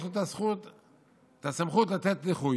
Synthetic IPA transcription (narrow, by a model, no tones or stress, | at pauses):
ut̪asχut̪ | t̪asamχut̪lat̪et̪leχu